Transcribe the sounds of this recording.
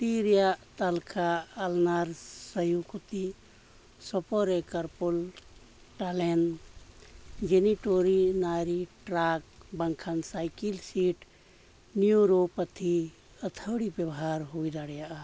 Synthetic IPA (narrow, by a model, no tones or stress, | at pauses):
t̪iɾijaʔt̪alkʰaəlnaɾsəjukut̪i | sɔpɔɾekəɾpul | ʈalen | d͡ʒeniʈoɾinaɾiʈɾak̚bəŋkʰansajkilsiʈ | niuɾopət̪ʰi | ət̪ʰəɽibebɦaɾɦojd̪aɽjaʔa